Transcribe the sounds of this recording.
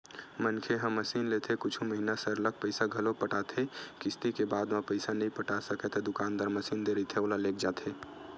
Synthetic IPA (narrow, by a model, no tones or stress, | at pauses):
mənkʰeɦəmːəsinlet̪ʰekʊt͡ʃʰuməɦinasəɾlək̚pəɪsaɡʱəlopəʈat̪ʰekɪst̪ikebaːd̪mapəɪsanəɦĩpəʈasəkɛt̪ʰed̪ʊkaːnd̪aːɾməsiːnd̪eɾit̪ʰeoːlalek̚ʰd͡ʒat̪ʰe